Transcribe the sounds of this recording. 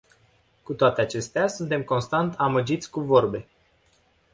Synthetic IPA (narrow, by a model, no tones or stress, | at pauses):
kut̪oat̪e̞at͡ʃe̞st̪easunt̪e̞mko̞nst̪ant̪ʰaməd͡ʒit̪sʲkuvo̞rbe̞